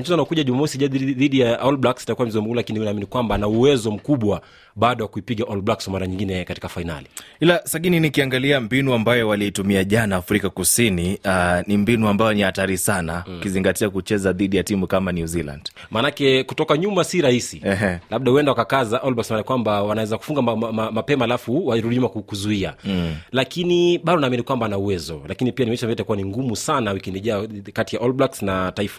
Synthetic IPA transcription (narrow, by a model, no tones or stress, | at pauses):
m̩t͡ʃɛzɔanaɔkuʄaʄumamɔsiʄaðiɗijaɔlblaksitakuwamizɔmulakiniunaːminikwambanauwɛzɔm̩kuɓwa | ɓaːɗɔwakuipiɠaʔɔlblakswamaɾaɲiŋɡinɛkati̥kafaina̰liilasaɠininikiaŋɡaliambinuambajɔwaliitumiaʄanaːfɾikakusinianimbinuambajɔnihataɾisanaukiziŋɡatiakut͡ʃɛzaðiɗijatimukamanjuzila̰nd̥ | maːnakɛkutɔkaɲumasiɾahisiɛɦɛlaɓ̚ɗahuwɛndawakakazaʔɔlbaksnamanikwambawanawɛzaku̥fuŋɡaamapɛmaːlafuwaɾuiɲumakukuzuialakiniɓaɗɔnaːminikwambanauwɛzɔlakinipianimɛt͡ʃambiaitakuwaniŋɡumusanawikindiʄakatijaʔɔlbaksnataifa